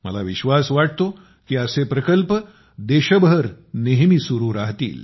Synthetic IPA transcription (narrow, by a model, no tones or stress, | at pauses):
mə̰laʋiɕʋasʋaʈ̚ʰt̪o | kiːəsepɾəkəlp | d̪eɕəbʱəɾ | neɦmisuɾuːɾaɦt̪ḭːl